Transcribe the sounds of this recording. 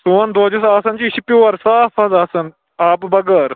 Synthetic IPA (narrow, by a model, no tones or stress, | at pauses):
suːɐnd̪oːd͡ʒusaːsɐnt͡ʃiːɕipjoːɐɾsaːfɐzaːsɐn | aːpbɐɡɐɾ